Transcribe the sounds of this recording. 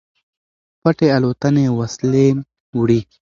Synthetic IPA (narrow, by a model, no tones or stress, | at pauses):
paʈealot̪anewɐslen | wɽi